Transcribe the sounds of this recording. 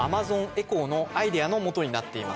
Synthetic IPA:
amazõ̞ŋe̞ko̞no̞aid̪e̞ano̞mo̞t̪o̞ɲ̟inat̪ːe̞ima̰s

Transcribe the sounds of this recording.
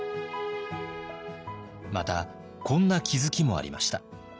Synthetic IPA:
mat̪a | kõ̞nːakʲizɨkʲimo̞a̰ɾʲḭma̰ɕi̥t̪a

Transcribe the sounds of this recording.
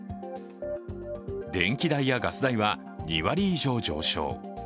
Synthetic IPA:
d̪ẽ̞ŋkʲid̪aijaɡasɨd̪aiβa | ɲiβaɾʲiːʑo̞ːd͡ʑo̞̰ːɕo̞̰ː

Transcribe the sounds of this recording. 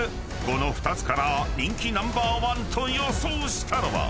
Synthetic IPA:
konoɸɯ̥t̪at͡sɨ̥kaɾanʲiŋkʰʲinãmbaːwant̪ʰojosuːɕt̪ʰaɾoʋa̰

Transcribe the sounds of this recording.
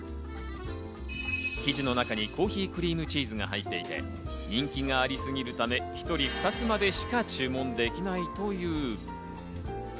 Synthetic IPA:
kʲiʑino̞nakaɲ̟ikʰo̞ːçiːkɯ̟ɾʲiːmɯ̟t͡ɕiːzɨŋa̰ɦait̪ːe̞it̪e̞̰ | ɲ̟ĩŋkʲiŋaːɾʲisɨɡʲiɾɯ̟t̪ame̞çi̥t̪o̞ɾʲiɸɯ̥t̪at͡sɨmad̪e̞ɕi̥kat͡ɕɨːmõ̞nd̪e̞kʲinait̪o̞jɯ̟ː

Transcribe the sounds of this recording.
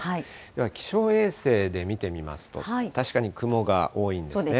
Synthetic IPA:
hai | d̪e̞βakʲi̥ɕo̞ːe̞ːse̞ːd̪e̞mʲit̪e̞mʲima̰sɨ̥t̪o̞̰ait̪aɕi̥kaɲ̟ikɯ̟mo̞ɡa̰ʔo̞ːĩnd̪oːsd̪ene

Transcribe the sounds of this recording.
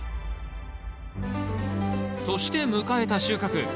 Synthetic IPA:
so̞ɕi̥t̪e̞mɯ̟kae̞t̪aɕɨːkakɯ̟

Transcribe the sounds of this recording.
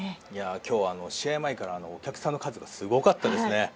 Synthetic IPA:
jakʲo̞ːβaːno̞ɕiemaikaɾaːno̞ːkʲakɯ̥sãnːo̞kazɨɡasɨɡo̞kat̪ːad̪e̞sɨne̞

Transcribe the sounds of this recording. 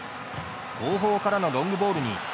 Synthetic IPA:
ɡoːɦoːkaɾanoɾõŋɡɯ̟bo̞ːɾɯ̟ɲ̟ḭ

